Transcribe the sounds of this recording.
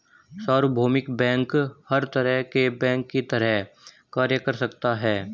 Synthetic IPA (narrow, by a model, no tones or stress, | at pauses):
saːɾʊbʱoːmɪkbɛ̃ːŋkhɐɾt̪əɾəɦkebɛ̃ːŋkːit̪ɐɾɛɦ | kaːɾjəkəɾsɐkt̪aɦɛː